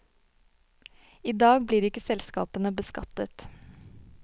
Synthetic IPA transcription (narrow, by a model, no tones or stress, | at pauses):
iːd̪ɑːɡbliːɾɪkəsɛlskɑ̰ːpənəbəskɑt̪ət̪